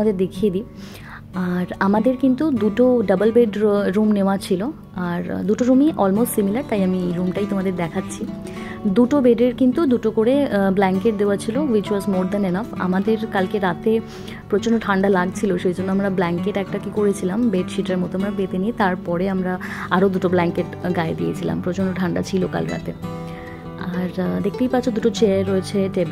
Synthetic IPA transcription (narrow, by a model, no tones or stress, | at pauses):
ad̪eɾd̪ekʰied̪i | aɾamad̪eɾkint̪ud̪uʈoɖəbəlbeɖɾumneoat͡ɕʰilo | aɾd̪uʈoɾumiʔɔlmosʈsimilaɾt̪ajamiɾumʈaijt̪omad̪eɾd̪ɛkʰatːɕʰi | d̪uʈobeɖeɾkint̪ud̪uʈokoɽeblɛŋkeʈ̚d̪eoat͡ɕʰilowit͡ɕuasmoɾd̪anenafa̰mad̪eɾkalkeɾat̪e | pɾot͡ɕonːoʈʰaɳɖalaɡ̚t͡ɕʰiloʃejd͡ʑonːoamɾablɛŋkeʈɛk̚ʈakikoɾet͡ɕʰilambeʈʃiʈeɾmɔt̪oamɾabet̪eniet̪aɾpɔɾeamɾaaɾod̪uʈoblɛŋkeʈɡaed̪ijet͡ɕʰila̰mpɾot͡ɕonɖoʈʰaɳɖa̰t͡ɕʰiloka̰lkeɾa̰t̪ḛ | aɾd̪ek̚t̪ejpaɾt͡ɕʰod̪uʈot͡ɕeaɾːoet͡ɕʰeʈeb